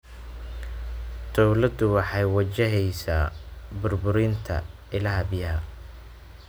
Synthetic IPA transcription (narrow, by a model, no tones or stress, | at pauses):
d̪̥ɔwlɐd̪ʊwɑħɑjwɐt͡ʃɪɦɛjsaːbʊrbʊɾint̪ʰɐ̰ | ɪlɐɦɐbɪjɐɦɐ